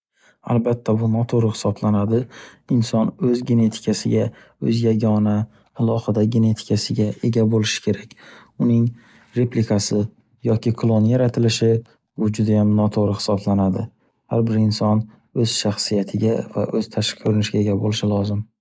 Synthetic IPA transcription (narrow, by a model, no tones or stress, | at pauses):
a̰lˠbat̪ʰːabʊnɒt̪ʰoɾɪχɪ̥sɒblanad̪ɪɪnsɒnɵzɡʲe̞ne̞t̪ʰɪ̥kʲʰasɪɡʲa | ɵzjaɡʲɒnaː | lˠɒhɪd̪aɡʲe̞ne̞t̪ʰɪ̥kʰʲasɪɡʲae̞ɡʲabolɪʃɪ̥kʲʰe̞ɾakʲʊnɪŋ | ɾe̞plɪkʰasɪ | jɒkʲʰɪkʰlˠonjaɾat̪ʰɪlɪʃɪ | bʊd͡ʒʊd̪ajamnɒt̪ʰoɾɪhɪ̥sɒblanad̪ɪ | haɾbɪɾɪnsɒn | ɵz̥ʃaχsijat̪ʰɪɡʲava̰ʔɵz̥t̪ʰaʃkʰɵɾɪnɪʃɪɡʲae̞ɡʲabolɪʃɪlɒzɪm